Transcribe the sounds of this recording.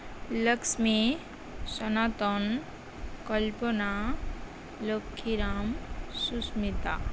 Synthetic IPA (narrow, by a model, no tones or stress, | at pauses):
ləksmi | sənat̪ɔn | kəlpona | lokʰːiɾaːmsusmit̪a̰